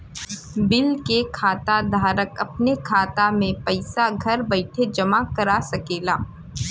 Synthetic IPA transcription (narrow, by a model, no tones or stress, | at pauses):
bɪlkekʰaːt̪ad̪ʱaːɾəkɐpnekʰaːt̪amẽpɐɪsaɡʱɐɾbɐɪʈʰed͡ʒɐmakɐɾasɐkeːlaː